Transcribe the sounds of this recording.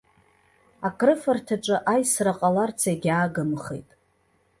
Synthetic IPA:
akʼrɨfartʰaʈ͡ʂʷʼɨʔajsraqʼalart͡sʰaɡʲaːɡɨmχḛjtʼ

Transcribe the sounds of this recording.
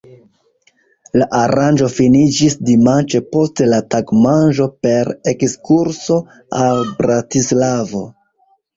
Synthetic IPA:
laʔaɾand͡ʒo̞finid͡ʒisdimant͡ʃe̞po̞stelataɡmanʒo̞pe̞ɾekskuɾso̞ | albɾatislavo̞̰

